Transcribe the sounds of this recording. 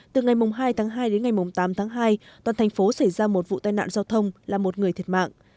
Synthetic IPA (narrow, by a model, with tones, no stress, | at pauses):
t̪ɨ˨˩ŋa˨˩jmʊ˨˩ŋ͡mɦaː˧jt̪ʰaː˨˦ŋɦaː˧jɗe˨˦nŋa˨˩jmʊ˨˩ŋ͡mt̪aː˨˦mt̪ʰaː˨˦ŋɦaː˧jt̪waː˨˩nt̪ʰa˨˩ŋ̟fo˨˦sa˧˩jzaː˧mo˨˩t̚vṵ˧˨t̪aː˧jna̰ː˧˨nzaː˧wt̪ʰə˧wŋ͡mlaː˨˩mo˨˩t̚ŋɨ˨˩əjt̪ʰt̚ma̰ː˧˨ŋ